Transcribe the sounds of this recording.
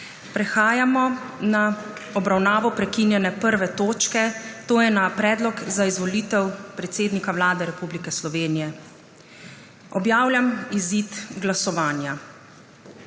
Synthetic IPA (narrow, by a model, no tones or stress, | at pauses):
pɾɛxaːjamɔ | na | ɔbɾawnaːʋɔpɾɛkinjɛnɛpəɾʋɛt̪oːt͡ʃkɛt̪oːjɛnapɾɛːd̪lɔkzaizʋɔliːt̪ɛwpɾɛt̪seːd̪nikawlaːd̪ɛɾɛpublikɛslɔʋeːnijɛ | ɔbjaːwlʲjamizit̪ɡlasɔʋaːnja